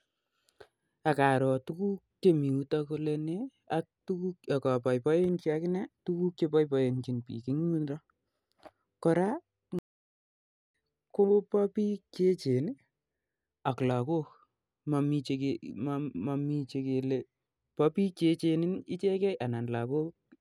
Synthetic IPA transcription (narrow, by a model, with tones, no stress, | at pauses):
a˨ka˨ɾɔ˨tu˦ku˦kt͡ʃe˨mi˨u˦tako˦le˦ne˦ | a˦k̚tu˦ku˦ka˨kɔ˨pa˨jpɔ˦je˦nkia˦kɪ˦nɛ˦tu˦ku˦kt͡ʃe˦pɔ˦jpɔje˨nt͡ʃi˨npḭ˨ki˦ŋ˦u˦nɾɔ˦ | kɔ˦ɾa˦ | ko˦pa˦pi˦ke˦t͡ʃe˨n | a˨kla˨ko˦k | ma˨mi˨t͡ʃekemma˨mi˦t͡ʃe˧ke˨le | pɔ˦pi˦kt͡ʃe˦t͡ʃe˧ni˦ni˦t͡ʃe˦kɛ˦jʔa˨na˨nla˨ko˦k